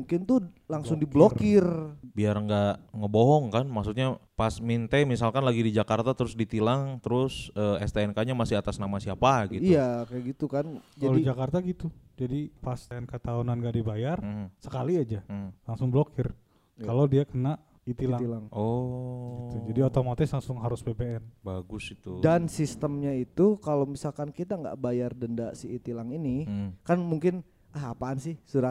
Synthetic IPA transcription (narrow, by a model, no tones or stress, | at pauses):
uŋkɪnt̪ʊ | laŋsʊŋdiblokɪrbiarŋɡaŋəboɦɔŋkanmaksut̪̚ɲapasmint̪emis̬alkanlaɡidid͡ʒakart̪at̪əɾʊsdit̪ilaŋt̪əɾʊsəːɛst̪aɛnkaɲamasɪɦat̪asnamasiapaɡitijakajaɡit̪ukand͡ʒalid͡ʒakart̪aɡit̪ud͡ʒadipast̪nkat̪aonanɡaʔdibajarm̩hsəkaliad͡ʒalaŋsʊŋblokɪr | kalowdiakənaʔ | it̪ilaŋilaŋʔoɡit̪ud͡ʒadiot̪omat̪ɪslaŋsʊŋɦaɾʊsbebeɛnbaɡʊsit̪udansist̪əmɲait̪ukalomisalkankit̪aŋɡa̰ʔbajardəndaʔsiːt̪ilaŋinikanmuŋkɪn | ʔəɦapansɪhsuɾa